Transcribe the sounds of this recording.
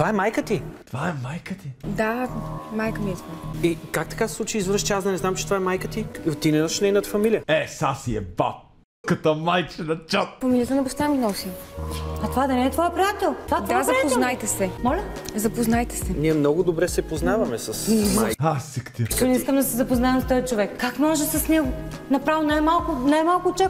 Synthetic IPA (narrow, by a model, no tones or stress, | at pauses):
t̪ovaɛmajkət̪it̪ovaɛmajkət̪id̪amajkəmiizvaikakt̪ɐ̥kasɛ̥slˠut͡ʃiizvɾəʃt͡ʃ̪iasd̪ɐnɛznamt͡ʃɛt̪ovaɛmajkət̪it̪ːinɛnoʃnɛnət̪fɐmilijəɛsasiɛba̰p̚ | kɐt̪ɔmajt͡ʃɛnɐt͡ʃat̪̚fɐmilʲijət̪ənɐpost̪avminɔsi | ɐt̪ovad̪ɐnɛːt̪vɔɛpɾijat̪ɛlˠt̪ovatd̪vaɛzɐɛpɛoznajt̪ɛsɛmɔlʲɐzɐpoznajt̪ɛ̥sɛniɛmnɔɡʊd̪obɾɛsɛpoznavɐmɛsɐsiajasikt̪ʲi̥t̪ɔnʲɛiskəmd̪ɐsɛzɐpoznaɛmst̪ɔjt͡ʃovɛkkːakmɔʒɛsɐsnɛɡʊnɐpɾavinajmalˠkʊnajmalˠkʊt͡ʃa